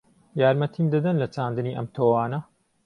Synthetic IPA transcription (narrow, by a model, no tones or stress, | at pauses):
jaːɾmɐt̪ʰiːmd̪ɐd̪ɐnlɐt͡ʃaːnd̪ɨniːʔɐ̰mt̪ʰoːwaːnɐ